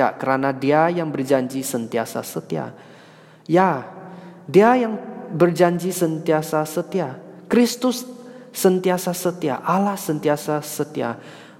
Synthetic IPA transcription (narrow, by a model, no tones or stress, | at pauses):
a̰kəɾanadiajaŋbərd͡ʒaɲd͡ʒisənt̪iasa̰sət̪ia̰ | ja | diajaŋbərd͡ʒaɲd͡ʒisənt̪iasasət̪iakɾist̪ʊsːənt̪iasasət̪ia̰ʔalahsənt̪iasasət̪ia̰